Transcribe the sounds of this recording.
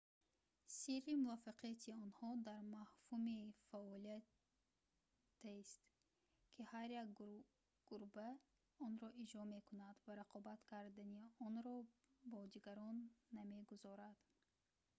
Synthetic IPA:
siɾimuvafaqʰiat̪ʰiɔnhɔd̪aɾmahhumifaɔlia | t̪ʰːest̪ | kʰihaɾjak | ɡ̥uɾba | ɔnɾɔʔid͡ʒɾɔme̞kʰunad̪vaɾaqʰɔbat̪kʰaɾd̪aniɔnɾɔbɔd̪iɡaɾɔnːame̞ɡuzɔɾad̪̥

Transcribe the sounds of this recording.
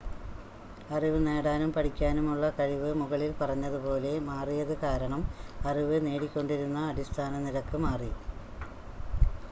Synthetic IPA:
ɐriʋɨneːɽaːnumpɐɽikʲːaːnumuɭːɐkɐɻiʋɨmuɣɐɭilpɐrɐɲːɐðupo̞ːle̞maːrijɐðɨkaːɾɐɳɐmɐriʋɨne̞ːɽikʲːo̞ɳɖiɾunːɐːɽist̪ʰaːnɐniɾɐkːɨmaːri

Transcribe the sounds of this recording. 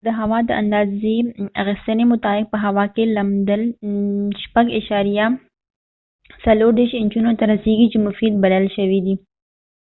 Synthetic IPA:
d̪əɦawɑd̪əʔa̰nd̪ɑzea̰ɣɪst̪ənemʊt̪ɑbɪk̚pəɦawɑkelamd̪əl | ʃpaɡaʃɑɾija | saloɾd̪eɾʃɪnt͡ʃunot̪aɾaseɡit͡ʃemʊfid̪̚balalʃəwid̪i

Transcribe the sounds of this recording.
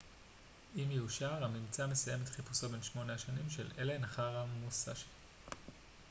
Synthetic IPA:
imjeuʃaʁamimt͡same̞saje̞me̞t̪χipu̥so̞be̞nʃmo̞neaʃanimʃelele̞naχaʁamusaʃe̥

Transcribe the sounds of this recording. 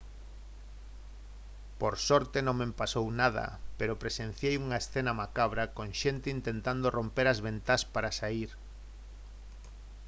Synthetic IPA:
poɾsɔɾt̪enõŋmempasownaðɐ̰peɾopɾesen̟θjejuŋaesθenamakaβɾakõŋʃent̪eint̪ent̪and̪orompeɾazβent̪aspaɾasaiɾ

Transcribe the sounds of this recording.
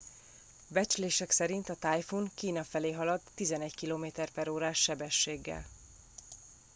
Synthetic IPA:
bɛt͡ʃleːʃɛksɛɾint̪ɒt̪aːjfuŋkiːnɒfɛleːɦɒlɒd̪ːizɛnɛɟkiloːmeːt̪ɛrpɛɾoːɾaːʃːɛbɛʃːeːɡːɛ̰l

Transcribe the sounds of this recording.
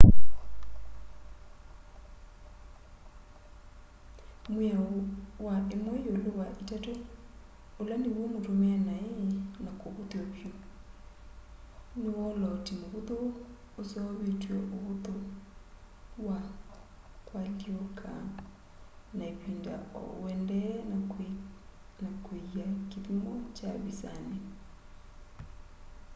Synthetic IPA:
mwɛowaemwɔjolowaʔitato | olanewomotomeanaenakoβot̪eokjo | newɔlɔtimoβot̪oː | sɔβetwɔʔoβut̪o | wa | kwaljoɔkʰa̰ | naepinda̰ɔ̰wɛndɛna | nakoakiðimɔt͡ʃa̰βisa̰ne

